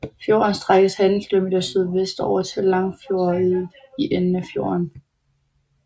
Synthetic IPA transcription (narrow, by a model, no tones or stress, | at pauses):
fjo̝̰ːɐnsd̥ʁaɡ̥əshænl̩kʰilo̝me̝ːd̥ɐsið̞ˠʋesd̥ɒʊ̰ɐt͡sʰe̝llɑ̈ŋfjo̝ːɐ | iʔenənæfjo̝̰ːɐn